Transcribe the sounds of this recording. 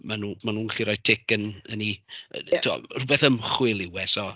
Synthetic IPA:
manumanuːnɬiɾɔj̚tʰɪkənəniətʰua̰rʊbɛθəmχwɪlˠɪwɛsɔ

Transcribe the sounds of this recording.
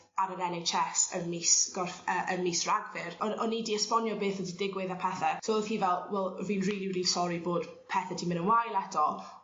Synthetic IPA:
aɾəɾɛnejt͡ʃɛsə̰nmiːsɡ̥ɔrfəʔənmiːsraɡvɪrɔɔnːidiəspɔnjɔbeːθədidɪɡwɪðapʰɛθɛsohiːvɛlˠwɛlˠviːnriːliwdisɔɾiboːd̥ | pʰɛθɛdʰimɪ̃nənwajlˠɛtʰɔ

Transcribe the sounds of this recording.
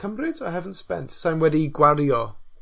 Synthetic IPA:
əmrɨdʰɔɦɛvən̩spɛ̰ntsajnwɛdiɡwaɾjɔ

